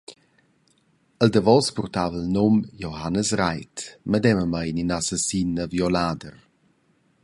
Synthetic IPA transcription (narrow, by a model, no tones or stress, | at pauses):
əldəvɔspɔrtavəlnomjohanəsɾajtmədɛməməjninasasinəvjolaːdər